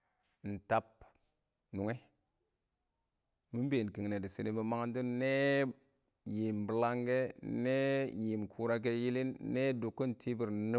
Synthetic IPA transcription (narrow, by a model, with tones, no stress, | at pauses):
n̩˨ta˨p | nu˨ŋe˦ | mi˦m˦be˨ki˨ŋ˨ne˨di˨si˨ni˨˦ba˨ma˦ŋa˦ndu˦nː˦e˦ | ji˨mbə˨la˦ŋɡe˦ne˦ji˨mkʰu˨ɾa˦k̬e˦ji˦li˦nːe˦du˨kːu˦n˨tʰi˦bi˨ɾni˦